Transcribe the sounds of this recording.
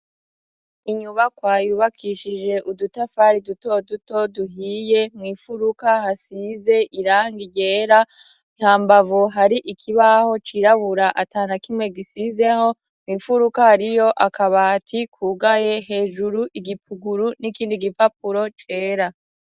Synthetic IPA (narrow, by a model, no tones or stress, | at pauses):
iɲuβakwaːjuːβakʰiʃid͡ʒe̞ʔudutafaɾiduto̞duto̞duɦiːje̞mŋiːfuɾukahasize̞ʔiɾaːŋɡiɟe̞ːɾa | ihaːmbavuɦaɾiʔikʰiβaho̞t͡ʃiɾaβuɾaʔataːnakimŋe̞ɡisize̞ho̞ | mŋiːfuɾukahaɾijo̞ʔakʰaβatʰikʰuːɡaje̞ɦe̞ːʒuɾuʔiɡip̚ʰuɡuɾunikiːndiɡipap̚uɾo̞t͡ʃe̞ːɾa